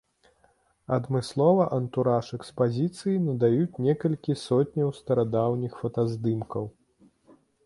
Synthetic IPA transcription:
ɐd̪mɨslˠɔvɐʔɐnt̪uɾaʂɛkspazʲit̪sɨjinɐd̪ajut͡sʲnʲɛkɐlʲkʲisɔt̚ʲnʲɐwst̪ɐɾad̪awnʲixfɐt̪azd̪ɨmkɐw

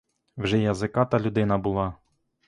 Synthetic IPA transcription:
wʒɛjɐzɪkɑt̪ɐlʲʊd̪ɪnɐbʊlˠɑ

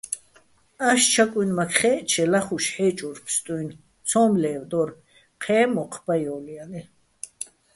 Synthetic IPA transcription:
aʃt͡ʃʰakʼujnmakʰχɛːt͡ʃʰɛlaχuʃħɛːt͡ʃʼuɾpʰst̪ʼujn | t͡sʰɔːmlɛːvd̪ɔɾ | qʰɛːmɔqʰb̥ajɔːliani

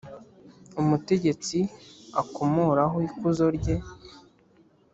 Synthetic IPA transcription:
umute̞ɟe̞t͡siakomoɾaɦoikuzo̞ɾɟe̞

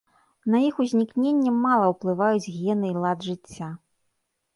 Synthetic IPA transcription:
nɐixuzʲnʲiknʲenʲːɛmalˠɐwplˠɨvajud͡zʲɣʲɛnɨilˠad̪ʐɨt͡sʲːa

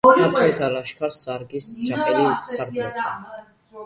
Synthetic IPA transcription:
at̪ʰɔt̪ʰaɾaʃkʰaɾsaɾɡisd͡ʒaɛlisaɾd̪a

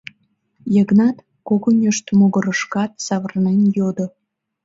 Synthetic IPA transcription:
jəɣnɑt̪ | koɣonʲeʃt̪moɣə̆ɾəʃkɑt̪̚sɑβərnenjod̪o

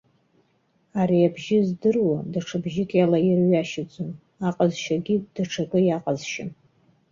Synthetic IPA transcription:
aɾiabʒɪzdɨrwadaʈ͡ʂʰabʒɪkʲʼjalajɪrɥaʃɪd͡zʼʊn | aqʼazʃaɡʲid̥ɨʈ͡ʂʰakʼɨjaqʼazʃɪ̰n

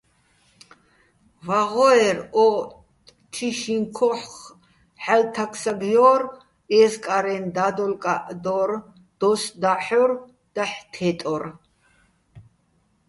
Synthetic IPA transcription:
vaʁɔɛɾɔ | tʼ | t͡ʃʰiʃiŋkʰɔħχ | ħalt̪ʰakʰsaɡjɔːɾ | ɛːskʼaɾɛnd̪ad̪ɔlkʼaʔd̪ɔɾ | d̪̥ɔsd̪aħɔɾ | d̪̥aħt̪ʰɛt̪ʼɔr

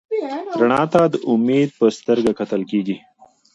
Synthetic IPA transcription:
ɾaɳɑt̪ad̪əʔʊmed̪̚pəst̪əɾɡakat̪əlkeɡi

